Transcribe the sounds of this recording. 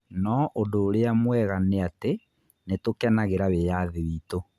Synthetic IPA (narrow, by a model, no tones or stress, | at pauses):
nɔʔodoːɾeamwɛɣaneate | netokɛnaɣeɾaβejaðeβiːto